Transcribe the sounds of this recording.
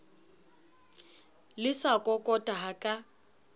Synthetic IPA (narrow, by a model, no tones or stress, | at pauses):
lɪsakʼɔkʼɔtʼaɦakʼa